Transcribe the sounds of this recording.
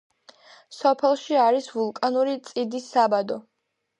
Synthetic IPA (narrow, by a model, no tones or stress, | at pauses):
sɔpʰɛlˠʃiaɾisvulˠkʼanuɾit̪sʼid̪isːabad̪ɔ